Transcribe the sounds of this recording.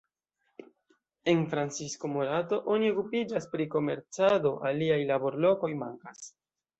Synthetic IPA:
e̞nfɾant͡sisko̞moɾato̞ʔo̞nio̞kupid͡ʒaspɾiko̞me̞ɾt͡sado̞ʔaliajlabo̞ɾlo̞ko̞jmaŋkas

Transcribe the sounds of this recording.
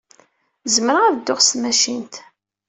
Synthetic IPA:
zməɾəʁæðd̪ːoχst̪mæʃint̪

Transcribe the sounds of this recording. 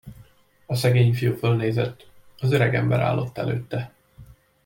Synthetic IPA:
ɒsɛɡeːɲfijuːfølneːzɛt̪ːɒzøɾɛɡɛmbɛ̰ɾʔa̰ːlːo̞t̪ːɛlø̰ːt̪ːɛ

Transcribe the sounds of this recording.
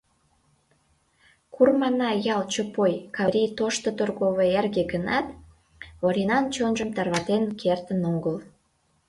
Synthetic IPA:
kurmɑnɑjɑlt͡ɕopojkɑɾʲijt̪oʃt̪ot̪orɣoβeerɣeɡənɑt̪ | oɾʲinɑnt͡ɕonʒəmt̪ɑrβɑt̪enkʰert̪ənoŋɡəl

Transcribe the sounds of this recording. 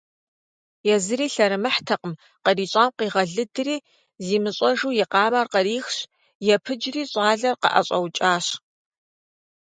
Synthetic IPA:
jɛzɨɾiːɬɐɾɨmɨħtʰɐqəm | qəriːɕʼaːmqiːʁɐɮɨdɨriː | ziːmɨɕʼɐʒuːjɛqɑːmaːrqɐɾiːxɕ | jɛpʰɨd͡ʒriːɕʼɑːɮɐrqɐ̰ʔɐ̰ɕʼɐwt͡ʃʼaːɕ

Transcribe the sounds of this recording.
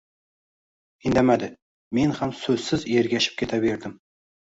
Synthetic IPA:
ɪnd̪amad̪ɪ | me̞nhamsɵzsɪzeɾɡʲaʃɪ̥p̚kʲʰe̞t̪ʰabeɾd̪ɪm

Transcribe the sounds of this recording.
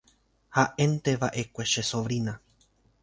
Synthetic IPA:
haʔẽnt̪eʋaʔekʷe̞ʃesoʋɾina

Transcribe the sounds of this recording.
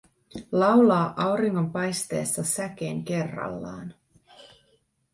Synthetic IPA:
lɑwlɑːʔɑwɾiŋːo̞mpɑjst̪e̞̰ːsːɑsæk̟eːŋke̞rːɑ̰lːɑ̰ːn

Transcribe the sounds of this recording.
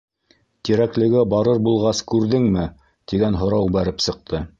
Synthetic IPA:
t̪iɾæklɘ̆ɡæbɑɾɤɾbulˠʁɑskʉɾðɘŋmɘ | t̪iɡænɦŏɾɑwbæɾɘpsɤ̆q̚t̪ʰɤ

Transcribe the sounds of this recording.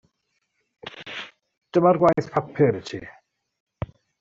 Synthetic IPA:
d̥əmarɡwajθpʰapʰɪɾətʰḭ

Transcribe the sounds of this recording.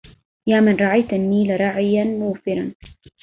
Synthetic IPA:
jaːmanɾˤɑʕajt̪ʔanːiːlaɾˤɑʕɪjanmʊːfɪɾˤɑn

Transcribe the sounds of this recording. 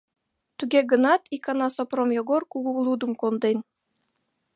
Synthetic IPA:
t̪yɡʲeɡɤ̆nɑt̪ikɑnɑsopromjoɡorkuɣulˠud̪ŭmkond̪enʲ

